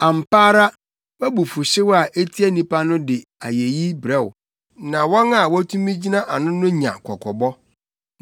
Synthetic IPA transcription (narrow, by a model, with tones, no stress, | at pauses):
a˨m̩˨pʰaː˦ɾa˦ | wɛ˦bʊ˨fʊ˨ɕɪ˦wa˨ʔe˦tʰi˦æ˦nĩ˦pʰa˦nʊ̃˦dɪ˨a˨je˨ji˦bɾɛ˦w | nã˨wɔ̃˦na˨wɔ˦tʰũ˦mĩ˦d͡ʑi˦nã˦ʔa˨nʊ̃˦nʊ̃˦ɲã̰˨kʰɔ˨kʰɔ˨bɔ˦